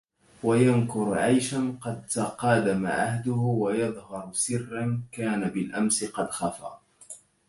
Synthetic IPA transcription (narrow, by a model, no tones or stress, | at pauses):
wajankʊɾʕajʃanqɑd̪̚t̪aqɑːd̪ama̰ʕahd̪ʊhʊwajɑðˤhɑɾˤsɪrːankaːnabɪlʔamsɪqɑd̪xɑfa̰ː